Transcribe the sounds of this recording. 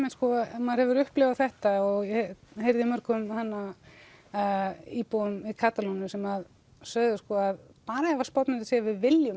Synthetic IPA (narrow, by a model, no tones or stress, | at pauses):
mɛnskɔmaðɾhɛvʏɾʏhplɛvaθɛht̪aɔɣjɛhejɾðɪmœɾ̥kʏmhanːa | iːpuʏmɪðkʰaːt̪alunʏsɛmað | sœːðʏskɔːað | paːɾaɛvḁspawt̪nɪɾasɛvɪðvɪljʏ